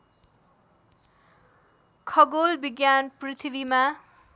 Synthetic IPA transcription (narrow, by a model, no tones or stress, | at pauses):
kʰʌɡolbiɡjanprit̪ʰibima